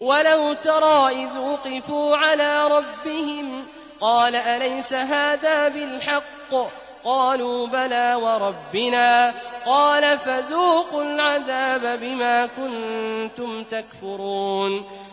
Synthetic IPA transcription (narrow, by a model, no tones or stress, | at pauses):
walawt̪ɑɾˤɑːʔɪðwʊqɪfuːʕalaːɾˤɑbːɪhɪm | qɑːlaʔalajsaɦaːðaːbɪlħɑqː | qɑːluːbanaːwɑɾˤɑbːɪnaːqɑːlafaðuːqʊlʕaðaːbabɪmaːkʊnt̪ʊmt̪akfʊɾuːn